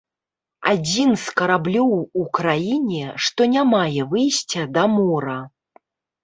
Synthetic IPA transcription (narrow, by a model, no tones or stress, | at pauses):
a̰d͡zʲinskɐɾablʲɔwukɾajinʲɛʂt̪ɔnʲamajɛvɨjsʲt͡sʲɐd̪ɐmɔɾɐ